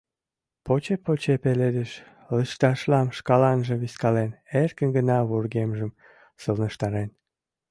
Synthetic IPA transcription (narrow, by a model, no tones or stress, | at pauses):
pot͡ɕepot͡ɕepeled̪eʃ | ləʃt̪ɑʃlɑmʃkɑlɑnʒĕβiskɑlenerkənɡənɑβurɣemʒəm | səlnəʃt̪ɑɾen